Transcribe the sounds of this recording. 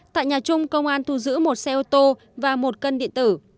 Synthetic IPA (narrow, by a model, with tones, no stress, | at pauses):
t̪a̰ː˧˨jɲaː˨˩t͡ɕʊ˧ŋ͡mkə˧wŋ͡mʔaː˧nt̪ʰu˧zɨ̰˧˥mo˨˩t̚sɛ˧ʔo˧t̪o˧ | vaː˨˩mo˨˩t̚kə˧nɗḭ˧˨ənt̪ɨ˧˩